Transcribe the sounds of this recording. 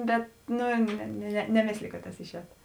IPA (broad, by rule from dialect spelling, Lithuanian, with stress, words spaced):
ˈbʲɛt ˈnʊ nʲɛ nʲɛ nʲɛˈmʲeːsʲlʲɪjʊ kɐt tɐs ɪʃʲˈɛːt